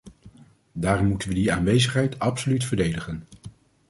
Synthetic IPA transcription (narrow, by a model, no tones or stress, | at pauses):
daːrɔmːutənʋədiaːnʋejzəχɦɛjtɑpsolytfəɹdejdəχən